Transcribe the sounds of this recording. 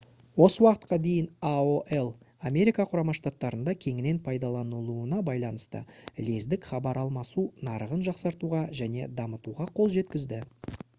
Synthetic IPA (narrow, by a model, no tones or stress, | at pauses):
wo̞səwɑqə̥t̪̚qɑd̪e̞jɪnaoʔe̞lˠ | ame̞ɾijkɑqʰʊɾɑmɑʃt̪at̪ːɑɾənd̪ɑkʲʰe̞ŋɪne̞npʰɑjd̪ɑlˠɑnəlˠuənɑbɑjlˠɑnəst̪ə̰le̞zd̪ɪkχɑbɑɾɑlˠmɑsunɑɾəʁənʒɑqsɑɾt̪uʁɑʒæne̞̰d̪ɑmət̪uʁɑqʰo̞lˠʒe̞t̪kʲɪzd̪ɪ